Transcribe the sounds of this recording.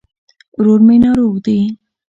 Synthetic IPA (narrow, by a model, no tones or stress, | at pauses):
ɾoɾmenɑɾoɣd̪e